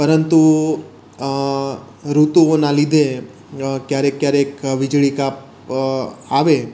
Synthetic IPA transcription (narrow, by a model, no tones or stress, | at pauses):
pəɾənt̪u | ɾut̪uonalid̪ʱe | kjaɾekːjaɾekʋɪd͡ʒɭikap | aʋe